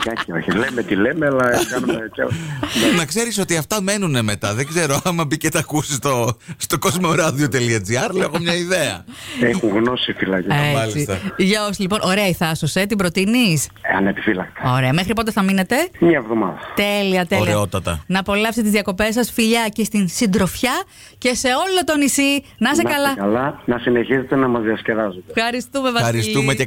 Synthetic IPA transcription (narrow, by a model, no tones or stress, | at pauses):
kɐçioçilemet̪ilemeɐlɐkɐnumecennɐkse̞ɾiso̞t̪iɐft̪ɐme̞nuneme̞t̪ɐðeɡze̞ɾo̞ɐmɐbicet̪ɐkusist̪ost̪o̞ko̞zmoɾɐðio̞t̪e̞liɐd͡ziɐɾlexomɲɐiðeɐ̰exuŋɣno̞sifilɐceemɐlsiist̪ɐʝɐosilipo̞nʔo̞ɾeɐiθɐsose̞t̪ibɾo̞t̪inisɐ̰nepi̥filɐk̚t̪eoɾeɐmexɾipo̞t̪̬eθɐmine̞t̪e̞mɐevðomɐ̰ðɐt̪eliɐt̪eoleot̪ɐt̪ɐ̰nɐpo̞lɐfst̪t̪izðiɐko̞pe̞sɐsfiʎɐce̞st̪insind̪ɾo̞fçɐ | ce̞se̞o̞lo̞t̪o̞nisi | nɐsekɐlɐɐɐlɐnɐsineçizset̪enɐmɐzðiɐsce̞ðɐzod̪fxɐɾist̪umevɐɐɾist̪umee